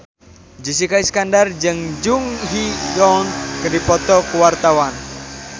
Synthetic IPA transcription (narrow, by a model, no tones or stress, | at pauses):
d͡ʒis̬ikaiskandard͡ʒɨŋd͡ʒuŋɦijɔnkədipɔt̪ɔkuwart̪awan